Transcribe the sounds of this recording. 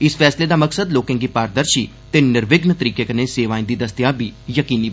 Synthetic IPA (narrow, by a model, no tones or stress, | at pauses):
ɪspʰɛːsleːd̪aːməksəd̪loːkẽːŋɡiːpaːɾd̪əɾʃiː | t̪eːnɪɾʋɪɡnt̪əɾiːkeːkəneːseːʋaːĩːd̪iːd̪əst̪jãːbiːjəkiːniː